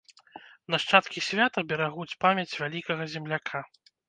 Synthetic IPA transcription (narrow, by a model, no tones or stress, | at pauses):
nɐʂt͡ʂat̪kʲisʲvʲat̪ɐbʲɛɾaɣut͡sʲpamʲɐt͡sʲvʲalʲikɐɣɐzʲɛmlʲakʰa